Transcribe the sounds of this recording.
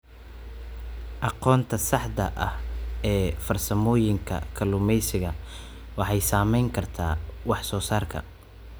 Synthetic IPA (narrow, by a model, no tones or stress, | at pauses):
ʔɑqɔːnt̪ʰɐsɑħd̪ɐʔɐhɛːfɐrsɐmɔːjɪŋkʰɐ̰kʰɐlʊmɛjsɪɣɐ | wɑħɑjsaːmɛjŋkʰɐrt̪ʰa̰ːwɑħsɔːsaːrkʰɐ̰